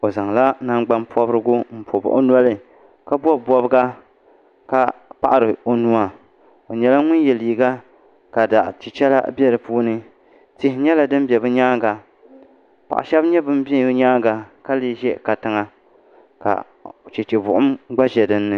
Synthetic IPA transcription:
o˨za˨ŋ˨la˦na˦ɡ͡ba˦npʰɔ˦bɾɨ˦ɡʊ˦m̩˦po˨bʊ̰˨ʔo̰˦nɔ˦lɨ˦ | ka˦bɔ˦˨bɔ˦bɨ˦ɡa˦ | ka˨pa̰˨ʔa˨ɾɨ˨o˨nu˦a˨ | o˨ɲɛ˨la˦ŋʊ˦n˦jɛ˨liː˨ɡa˦ | ka˨da˨ʔt͡ʃi˨t͡ʃɛ˦la̰˦bɛ˦ɾɨ˨puː˦nɨ˦ | tɪ˦hɪ˦ɲɛ˦la˨dɨ˦m˦bɛ˨bɨ˦ɲaː˦ɡa˨ | pa̰˨ʔa̰˨ʃɛ˦bɲɛ˦bɨ˦m˦bi˦ɲaː˦ɡa˨ka˦lɨ˦ʒɛ˦ka˨tɨ˨ŋa˨ | ka̰˨ | t͡ʃɛ˨t͡ʃɛ˨bʊ˨ʔʊ˦mɡ͡ba˦ʒɛ˨dɨ˦nːɨ˦

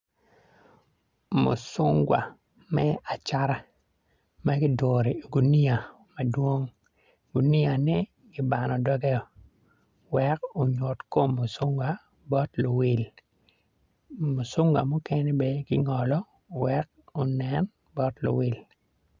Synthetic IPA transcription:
mo̰˨sʊ˦ŋɡwa̰˨ | mɛ˦a˨t͡ʃa˦ɾa˦ | ma˦ɡɪ˦do˨ɾi˨ɡu˨ni˦a˨ | ma˨dwo˦ŋ | ɡ̥u˨ni˦a˨nɛ˦ | ɡɪ˦ba˨nɔ˨dɔ˦ɡɛ˦ɔ˨ | wɛ˦ko˨ɲo˨tko˦mːo˨sʊ˦ŋɡwa˦ | bɔ˦tlo˨wi˦l | mo˨sʊ˦ŋɡwa̰˨mʊ˦kɛ˦nɛ˦be˦ɡɪ˦ŋɔ˨lɔ˦ | wɛ˦k̚ | o˨nɛ˦n | bɔ˦tlʊ̰˨wi˦l

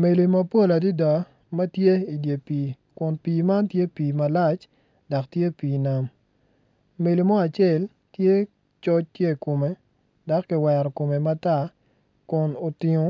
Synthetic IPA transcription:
me˨li˨mɐ˦po˦˨la˨di˦dɔ˨ | mɐ˦tje˦i˨dje˨piː˨ | kʊ˨npiː˨ma˦ntje˦piː˨ma˨la˦t͡ʃ | da˨ktje˦piː˨na˦m | me˨li˨mɔ˦a˨t͡ʃɛ˦˨l | tje˦ | t͡ʃɔ˦t͡ʃtje˦˨ko˨me˨ | da˨kːɪ˨wɛ˨ɾɔ˨ko˨me˨ma˦ta˦˨ | kʊ˨no˨tɪ˨ŋo˦

